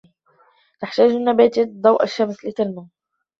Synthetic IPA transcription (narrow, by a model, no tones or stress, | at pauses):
t̪aħt̪aːʒɪnːabæːt̪id̪ˤɑwʔaʃːamslɪt̪ɪlma